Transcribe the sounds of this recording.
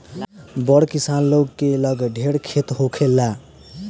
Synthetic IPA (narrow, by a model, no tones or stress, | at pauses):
bʌɽkisanloɡkelʌɡɖʱeɽkʰet̪ɦokʰelːa